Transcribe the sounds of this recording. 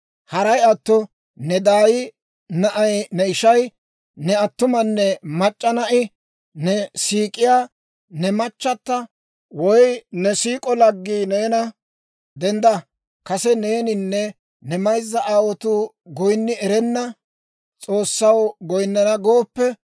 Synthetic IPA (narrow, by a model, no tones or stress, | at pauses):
hɐɾɐjɐt̪ːɔ | nɛd̪aːjɪ | nɐʔɐjnɛɪʃɐj | nɛɐt̪ːʊmɐnːɛmɐt͡ʃʼːɐnɐʔɪ | nɛsiːkʼɪjaː | nɛmɐt͡ʃːɐt̪ːɐ | wɔjnɛsiːkʼɔlɐɡːiːneːnɐ | d̪ɛnd̪ɐ | kɐsɛne̞ːnɪnːɛ | nɛmɐjzːɐʔaːwɔt̪uː | ɡɔjnːɪɛɾɛnːɐ | t͡sʼo̞ːsːɐwɡɔjnːɐnɐɡo̞ːpːɛ